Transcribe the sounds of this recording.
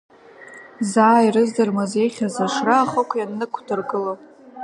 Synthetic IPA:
zaːirɨzdɨrmazejχʲazaʂraːχəkʷʰjanːɨkʷʰdɨrɡɨlo

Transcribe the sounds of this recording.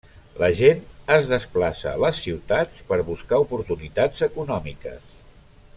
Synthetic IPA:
ləʒenəzðəsplasə̰ləsːiwt̪at͡spəɾβuskaupuɾt̪unit̪ad͡zəkunɔmikə̰s

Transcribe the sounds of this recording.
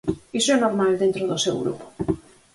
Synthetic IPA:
isoɛnoɾmald̪ẽnt̪ɾoðʊsewɣɾṵpo̥

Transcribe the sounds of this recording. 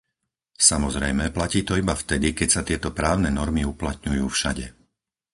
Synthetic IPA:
samɔzɾɛjmɛplaciːt̪ɔibaft̪ɛd̪ikɛcsat̪ɪɛt̪ɔpɾaːʊnɛnɔɾmiuplat̪̚ɲujuːfʃaɟɛ

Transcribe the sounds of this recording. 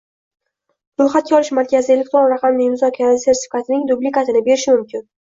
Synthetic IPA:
ɾojχat̪kʲaɒlˠɪʃmaɾkʲazɪe̞lʲek̚ʲt̪ɾonɾɑqʰɑmnɪmʊzɒkʲʰaɾaɪse̞ɾt̪ʰɪ̥fʲi̥kʰat̪ʰɪnɪŋd̪ʊblɪkat̪ʰɪnɪbe̞ɾɪʃɪmʊmkʲɪn

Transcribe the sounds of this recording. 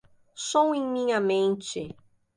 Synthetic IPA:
sõw̃ẽŋmĩɲɐmẽnt͡ʃɪ

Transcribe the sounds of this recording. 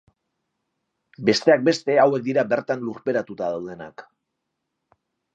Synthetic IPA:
be̞st̪e̞ak̚be̞st̪e̞awe̞k̚d̪iɾabe̞ɾt̪anluɾpe̞ɾat̪ut̪aðawðe̞na̰k

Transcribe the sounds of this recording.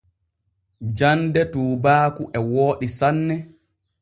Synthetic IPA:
d͡ʒandɛtuːbaːkuʔɛwoːɗisanːɛ

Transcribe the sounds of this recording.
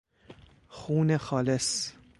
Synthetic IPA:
xuːnexɒːles

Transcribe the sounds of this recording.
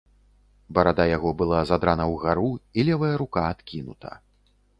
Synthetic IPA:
bɐɾad̪ajaɣɔbɨlˠazad̪ɾanɐwɣaɾuilʲɛvɐjɐɾukaːt̪kʲinut̪ʰɐ̰

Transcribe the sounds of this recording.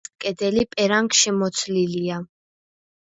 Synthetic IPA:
kʼɛd̪ɛlipʼɛɾaŋkʃɛmɔt̪sʰlilia

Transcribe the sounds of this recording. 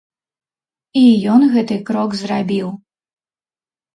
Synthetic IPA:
ijɔnɣɛt̪ɨkɾɔɡzrabʲiw

